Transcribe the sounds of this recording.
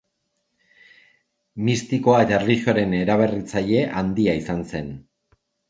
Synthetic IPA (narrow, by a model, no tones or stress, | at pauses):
mist̪iko̞ae̞t̪aerliʝioɾe̞ne̞ɾaβ̞e̞rit͡saʎe̞ʔand̪iaisanse̞n